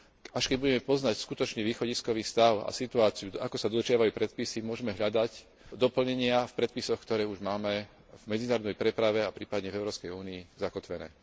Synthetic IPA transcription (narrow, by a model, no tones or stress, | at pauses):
aʃkɛɟ̚buɟɛmɛpɔznacskut̪ɔt͡ʃɲɛʋiːxɔɟiskɔʋiːst̪aʊa̰sit̪uaːt͡siuakɔsad̪ɔd̪ɾʒɪaʋajuːpɾɛt̪̚pisimʊɔʒɛmɛɦʎad̪ac | d̪ɔpl̩ɲɛɲɪafpɾɛt̪̚pisɔxkt̪ɔɾɛːuʒmaːmɛ | vmɛd͡zinaːɾɔd̪nɛjpɾɛpɾaʋɛapɾiːpad̪ɲɛvɛʊɾɔːʊskɛjuːniːzakɔt̪ʋɛnɛ̰ː